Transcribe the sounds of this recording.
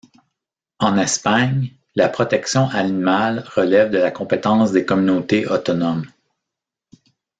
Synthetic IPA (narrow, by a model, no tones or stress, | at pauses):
ɑ̃nɛspaɲ | lapχɔt̪ɛksjɔ̃ʔanimalʁəlɛvd̪əlakɔ̃pet̪ɑ̃ːsd̪ekɔmynot̪eʔɔt̪ɔnɔm